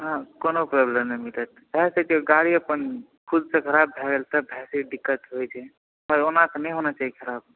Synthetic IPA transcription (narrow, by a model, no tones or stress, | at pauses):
ɦãkonopɾɔblemnəmit̪ət̪ | ɛsək̪eɡaɽiəpən | kʰud̪sẽkʰəɾabːʱɛɡelt̪əbʱɛsiɖikːət̪ɦojt͡ʃʰɛ | məjonãknəjɦonat͡ʃaɦikʰəɾab